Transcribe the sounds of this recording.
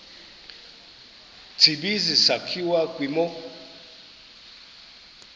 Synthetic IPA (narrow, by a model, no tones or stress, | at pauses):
t͡sʰiɓizisakʰiwakʼwimɔ